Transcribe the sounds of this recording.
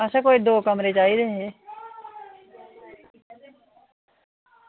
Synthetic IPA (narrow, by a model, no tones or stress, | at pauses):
aːʃakoːid̪oːkəmɾeːt͡ʃaːiɾeɦɛ̃ː